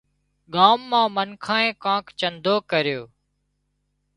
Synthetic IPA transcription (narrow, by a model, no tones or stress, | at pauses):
ɠaːmːãːmənkʰãːẽːkãːkt͡ʃənd̪ʱoːkəɾɪjoː